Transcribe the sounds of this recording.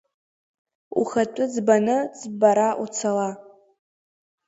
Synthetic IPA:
ṵχatʷʼʊd͡zbanɨd͡zbaɾaut͡sʰala

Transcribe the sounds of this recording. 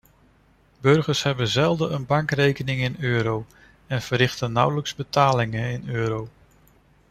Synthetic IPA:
bɵɹχəɹsɦɛbənzɛlˠdəənbɑŋkrejkənɪŋɪnøːɾow | ɛnv̥əɾɪχtənːʌwləkzbətaːlɪŋənɪnøːɾow

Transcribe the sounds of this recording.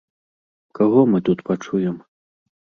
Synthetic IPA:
kaɣɔmɨt̪ut̪pat͡ʂujɛm

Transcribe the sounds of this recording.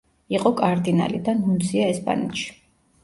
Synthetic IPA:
iqʼɔkʼaɾd̪ina̰lid̪anhund̪siaɛspʼa̰nɛt̪ʃi̥

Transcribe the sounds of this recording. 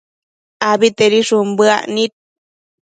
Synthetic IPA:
abit̪eɾiʂumbɨa̰ʔnit̪̚

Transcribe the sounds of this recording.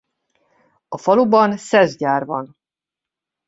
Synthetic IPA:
ɒfɒlubɒnsɛzɟaːrvɒn

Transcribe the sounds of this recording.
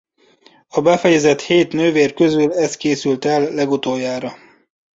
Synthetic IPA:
ɒbɛfɛjɛzɛt̪heːt̪nøːveːrkøzylɛst̪̚keːsylt̪ɛlːɛɡut̪oːjːaːɾɒ

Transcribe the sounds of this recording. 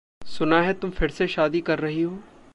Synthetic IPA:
sʊnaːɦɛːt̪ʊmpʰɪɽseʃaːd̪iːkəɾːəɦiɦoː

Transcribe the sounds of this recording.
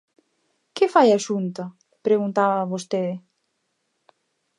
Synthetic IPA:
kɪfajaʃunt̪ɐ | pɾeɣunt̪aβɐβost̪eðɪ

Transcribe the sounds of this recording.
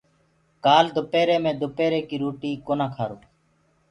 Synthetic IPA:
kaːld̪ʊpeːɾeːmẽːd̪ʊpeːɾeːkiːɾuːʈiːkoːnãːkʰaːɾoː

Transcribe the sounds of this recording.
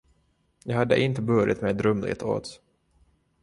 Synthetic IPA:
jɑːɡhad̪ːə̰ʔɪnt̪əbœɾɪ̰t̪mɛjd̪ɾœmlɪ̰t̪ʰo̰ːt̪

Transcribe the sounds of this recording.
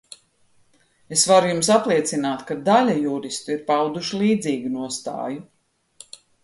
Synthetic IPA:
esvaɾujums̬aplˠiɛt̪sinaːt̪kad̪alʲajuɾist̪uiɾpawd̪uʃilˠiːd̪ziːɡunuɔst̪a̰ːju

